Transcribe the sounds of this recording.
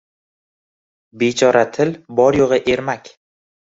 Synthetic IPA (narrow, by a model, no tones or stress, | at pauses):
bet͡ʃʰɒɾat̪ʰɪlbɒɾjoʁɨʔe̞ɾmakʲ